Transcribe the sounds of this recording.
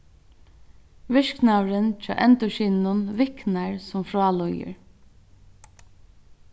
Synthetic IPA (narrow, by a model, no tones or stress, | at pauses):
ʋɪʂknawɾɪnt͡ʃʰɑ̰ːʔɛnt̪ʊʃiːnnʊnʋɪknaɹsʊmfɾɔːlɔjə̰ɹ